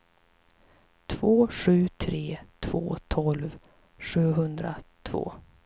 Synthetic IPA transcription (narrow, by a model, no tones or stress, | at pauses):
t̪ʰvoːɧʉ̟ːt̪ʰɾeːt̪ʰv̥o̰ːt̪ʰɔlv | ɧʉ̟ːɦɵnd̪ɾat̪ʰv̥o̰ː